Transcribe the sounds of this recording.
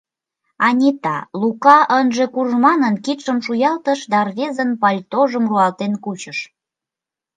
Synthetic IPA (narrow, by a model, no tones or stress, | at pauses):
ɑnʲit̪ɑlukɑʔənʒekurʒmɑnənkit̪ʃəmʃujɑlt̪əʃd̪ɑrβʲezənpɑlʲt̪oʒəmruɑlt̪enkut͡ɕəʃ